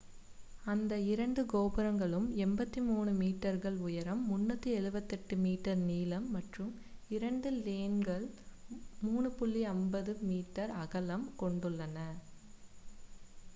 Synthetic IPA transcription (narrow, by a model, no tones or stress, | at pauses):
ɐnd̪ɐɪɾɐɳɖɯɡoːbɪɾɐŋɡɐɭɯmɛmbɐt̪ːimuːnɯmiːʈːɐɾɣɐɭʊjɐɾɐmːʊnːɐt̪ːɯɛɻɯbɐt̪ːɛʈːɯmiːʈːɐɾniːlɐmːɐʈrɯm | ɪɾɐɳɖɯleːnɡɐɭ | muːɳɯpʊɭːiɐmbɐðɯmiːʈːɐɾɐɣɐlɐmkɔɳɖɯɭːɐnɐ